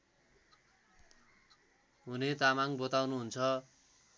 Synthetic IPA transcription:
ɦunet̪amaŋbʌt̪awnuɦunt͡sʰʌ

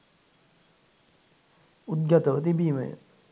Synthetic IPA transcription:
ut̪̚ɡɐt̪əʋət̪̬ibiːmə̰j̰

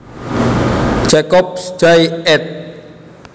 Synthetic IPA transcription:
d͡ʒ̥akɔp̚sd͡ʒajɛt̪̚

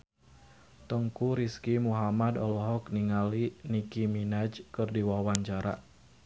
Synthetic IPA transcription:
t̪əŋkuɾiskimuɦamadɔlɔɦɔkniŋalinikiminad͡ʒkɨrdiwawaɲt͡ʃaɾa̰

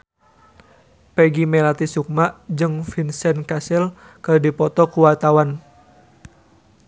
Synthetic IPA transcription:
pɛɡimɛlat̪isuk̚maʔd͡ʒɨŋfinsɛnkasɛl | kɨrdipɔt̪ɔkuwart̪awan

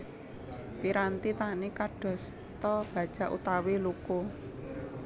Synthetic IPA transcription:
piɾant̪it̪anikaɖ̥ɔ̤s | t̪ɔb̥ä̤d̥ʒ̥a̤ʔṵt̪aweluku

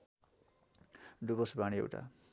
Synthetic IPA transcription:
ɖubosbaɽiḛwʈa̰

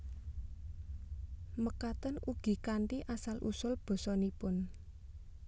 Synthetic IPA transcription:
məkat̪ənʔuɡ̥i̤kaɳʈiʔasalʔṵsʊlb̥ɔ̤sɔnipʊn

